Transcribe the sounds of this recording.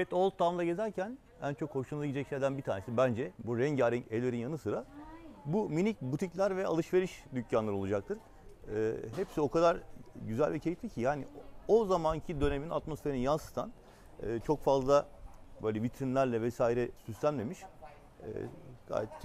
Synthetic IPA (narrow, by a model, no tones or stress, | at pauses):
ɛt̪o̞lˠt̪ʰːamd̪aɟe̞zæɾcʰæn | æ̰nt͡ʃʰokho̞ʃunˠaɟid͡ʒɛcʃejd̪ænbit̪ʰaːnesibænd͡ʒɛbuɾɛɲɟaɾɛɛlʲeɾinjanɯsɯɾabuminic̚but̪ʰiclʲæɾvɛa̰lˠɯʃve̞ɾiʃd̪ycʰjanlˠaɾɯo̞lˠud͡ʒak̚t̪ʰɯɾ̥ː | ɦɛpsio̞kʰad̪aɾɟyzæ̰lʲvɛcʰejit̪lʲicʰijaːniozamancʰid̪ø̞ne̞mina̰t̪mo̞sfe̞ɾininjansɯ̥st̪ʰa̰n | ɯːt͡ʃʰokfazlˠabøːlʲɛvit̪ɾinlʲæɾlʲɛvɛsaːiɾɛsyst̪ʰæmlʲemiʃː | ɡ̥a̰ːjɛt̪ʰ